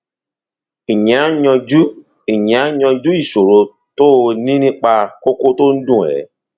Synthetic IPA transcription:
i˨ɲɛ̃˨a˦ɲɔ̃˧d͡ʒu˦ | i˨ɲɛ̃˨a˦ɲɔ̃˧d͡ʒu˦i˦˨so˨ɾo˨ | to˦o˧nĩ˦nĩ˦k͡pa˧ko˦ko˦to˦n̩˦dũ˦˨ɛ̰˨

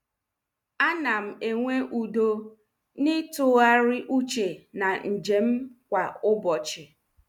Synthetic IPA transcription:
a˦na˨m̩˨e˨ŋʷe˦ʔu˨do˨ | nɪ˦tʊ˦ɣa˦ɾɪ˦ʔu˦t͡ʃe˨na˨n̩˨d͡ʒe˨m̩˦kʷa˨ʊ˦bɔ˨t͡ʃɪ˨

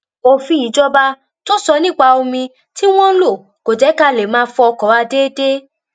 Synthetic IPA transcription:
o˧fĩ˦i˨˦d͡ʒɔ˦ba˧ | to˦sɔ˧nĩ˦˨k͡pa˧o˧mĩ˧ | ti˦w̃ɔ̃˦lo˦˨ | ko˨d͡ʒɛ˨˦ka˦˨le˨mãː˦fɔ˧ɔ˧kɔ˨˦wa˧deː˦de˦

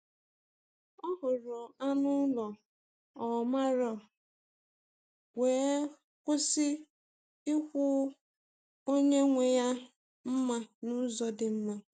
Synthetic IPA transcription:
ɔ˦ɦʊ˨ɾɔ˨a˦nʊ˦lɔ˨ | ɔ˨ma˦ɾɔ˨ | weː˨˦ | kʷʊ˦sɪ˦ | i˦kʷʊ˦ | o˦ɲe˦ŋʷe˨ja˦ | m̩˦ma˦nʊ˦zɔ˨dɪ˨m̩˦ma˦

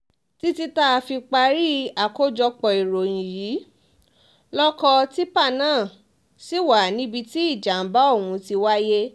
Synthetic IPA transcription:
ti˦ti˧ta˦˨˧fi˧k͡pa˧ɾi˦a˨ko˦d͡ʒɔ˧k͡pɔ˨i˨ɾo˨j̃ĩ˨jiː˨˦ | lɔ˦kɔ˧ti˦pa˦˨nãː˦˨ | si˦˨wa˨nĩ˦bi˧ti˦i˦˨d͡ʒa˨m̩˦ba˦o˦˨wũ˧ti˧wa˦je˦

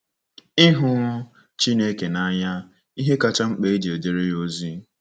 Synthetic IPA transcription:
i˦ɦʊ˦ | t͡ʃi˦ne˦ke˨na˦ɲa˦ | i˦ɦe˦ka˦˨t͡ʃa˦ŋ͡m̩˦k͡pe˨i˦d͡ʒe˨de˨ɾe˦jo˦zi˦

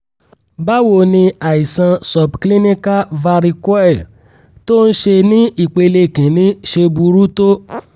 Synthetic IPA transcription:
ba˦wo˨nĩ˧a˨i˨sã˧sɔ˨bkli˦nĩ˦ka˦va˧ɾi˧kwɛ˦˨ | to˦n̩˦ʃe˧nĩ˦i˨k͡pe˧le˧˨kĩ˨nĩ˦ʃe˧bu˧ɾu˦to˦

